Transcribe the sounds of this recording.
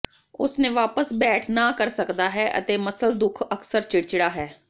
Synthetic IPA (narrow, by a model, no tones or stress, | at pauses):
ʊ̰snẽːʋaːpəsbɛːʈʰnaːkəɾsəkd̪aːɦɛːʔə̰t̪eːməsəld̪ʊkʰəksəɾt͡ʃɪɽt͡ʃɽaːɦɛː